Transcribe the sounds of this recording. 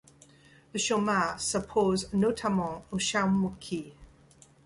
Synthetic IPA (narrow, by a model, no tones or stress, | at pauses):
ðəʃomasəpʰoznotʰamɑ̃oʃamukʰi